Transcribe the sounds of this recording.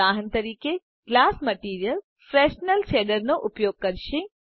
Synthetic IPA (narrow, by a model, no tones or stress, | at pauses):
aːɦənt̪ɐɾiːke | ɡ̥laːsmɐʈiːɾijəl | fɾɛːʃnəlʃeːɖəɾnoʔʊpjoːɡ̚kɐɾʃẽ